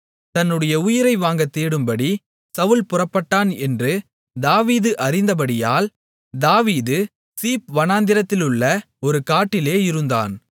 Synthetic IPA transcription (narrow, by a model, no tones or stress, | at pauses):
t̪ɐnːɯɽɐjɐʊjɪɾɐɪʋaːŋɡɐt̪ːeːɽɯmbɐɽi | sɐʋɯlpʊrɐpːɐʈːaːnɛndrɯ | d̪aːʋiːðɯʔɐɾɪnd̪ɐp̬ɐɽɪjaːl | d̪aːʋiːðɯ | siːpʋɐnaːnd̪ɪɾɐt̪ːɪlʊɭːɐ | ɔɾɯkaːʈːɪleːɪɾɯnd̪a̰ːn